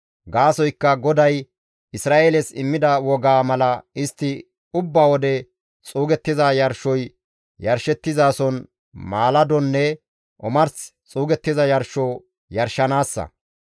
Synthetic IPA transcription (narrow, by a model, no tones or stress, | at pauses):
ɡaːsɔjkːɐɡɔd̪ɐj | ɪsɾaːʔelɛsɪmːɪd̪ɐwɔɡaːmɐlɐɪst̪ːɪ | ʊbːaːwɔd̪ɛ | t͡sʼuːɡɛt̪ːɪzɐjɐɾʃɔj | jɐɾʃɛt̪ːɪzaːsɔn | maːlɐd̪ɔnːɛ | ʔɔmɐɾst͡sʼuːɡɛt̪ːɪzɐjɐɾʃɔ | jɐɾʃɐnaːsːɐ̰